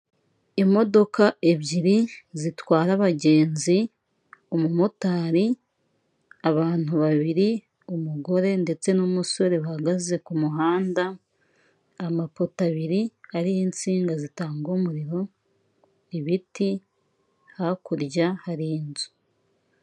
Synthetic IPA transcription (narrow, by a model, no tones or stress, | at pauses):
imo̞do̞kaʔe̞βɟiɾizitwaːɾaβaɟe̞ːnzi | omumotaːɾi | aβaːn̥huβaβiɾi | umuɡo̞ɾe̞nde̞t͡se̞numuso̞ɾe̞βahaɡaze̞kumuɦaːnda | mapotaβiɾiaɾijint͡siːŋɡazitaːŋɡomuɾiɾo̞ | iβiti | hakuɾɟahaɾinzu̥